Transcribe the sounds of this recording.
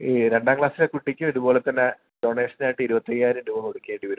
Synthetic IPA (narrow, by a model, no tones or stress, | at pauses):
iɾe̞ɳɖaːɡɭaːsilekuʈːikʲːumiðubo̞ːɭe̞t̪ːɐnːe | ɖo̞ɳeːʂɐnaːjʈːɨiɾubɐt̪ːɐjaːɾumdumɐmoɽukʲːeːɳɖiʋɐɾum